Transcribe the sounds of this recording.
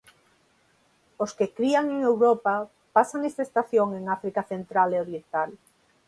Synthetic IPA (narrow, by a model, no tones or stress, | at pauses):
oskekɾiaŋeŋewɾopa | pasaŋest̪aest̪aθjoŋeŋafɾikaθent̪ɾaleoɾjent̪al